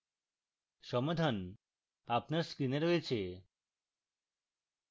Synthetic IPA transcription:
ʃɔmad̪ʱan | apnaɾskɾineɾoet͡ɕʰe

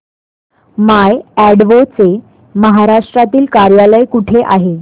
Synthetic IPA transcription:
majæɽʋot͡se | məɦaɾaʂʈɾat̪iːlkaɾjaləjkuʈʰeʔaɦe

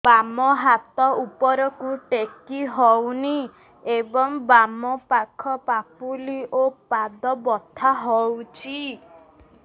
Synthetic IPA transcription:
b̥amɔɦat̪ɔupɔɾɔkuʈekiɦɔwni | ebɔŋbamɔpakʰɔpapuliʔopad̪ɔbɔt̪ʰaɦɔwt͡ʃʰi

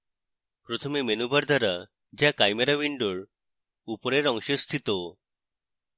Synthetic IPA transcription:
pɾɔt̪ʰomemenubʱaɾd̪ʱaɾa | d͡ʑjakajmeɾaʋiɳɖoɭ | upɔɾeɾɔŋɕest̪ʰit̪o

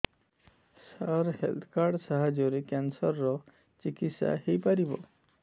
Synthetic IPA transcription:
saɾhḛlt̪ʰkaɾɖsaɦad͡ʒjɔɾekansɔɾːɔ | t͡ʃikit̪sa̰ɦejpaɾibɔ̰

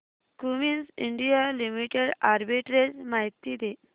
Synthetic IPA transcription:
kuminsiɳɖijalimiʈeɽaɾbiʈɾed͡ʑmaɦit̪ːid̪e

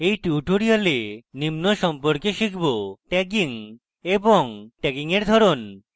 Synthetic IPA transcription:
ejʈiuʈoɾialenimnoʃɔmpoɾkeʃikʰboʈɛk̬iŋ | eboŋʈɛkiŋeɾd̪ʱɔɾon

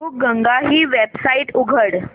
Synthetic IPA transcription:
uːk̚ɡəŋɡaɦiːʋebsaiʈuɡʱəɽ

